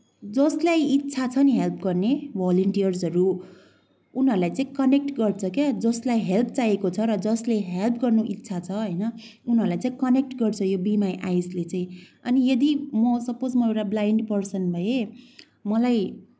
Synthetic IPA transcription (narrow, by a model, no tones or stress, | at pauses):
d͡zʌslajit̪ːt͡sʰat͡sʰʌniɦelpʰɡʌrnebʱʌlʌɳʈijʌrsɦʌɾu | unɦʌɾulajt͡saĩkʌnek̚ʈɡʌrt͡sʰʌkjad͡zʌslajɦelp̚ʰt͡sajekot͡sʰʌɾʌd͡zʌsleɦelpʰɡʌrnuʔit̪ːsʰat͡sʰʌɦʌjnʌ | unɦʌɾulajt͡saĩkʌnek̚ʈɡʌrt͡sʰʌjobimajʔajslet͡saĩʌnijʌd̪imʌsʌpod͡zmʌewʈablajɳɖpʌrsʌnbʱʌje | mʌlaj